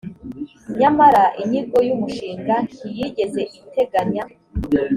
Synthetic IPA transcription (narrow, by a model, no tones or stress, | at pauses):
ɲamaɾaʔiɲiɡo̞jumuʃiːŋɡaŋijiɟe̞ze̞ʔiite̞ɡaɲa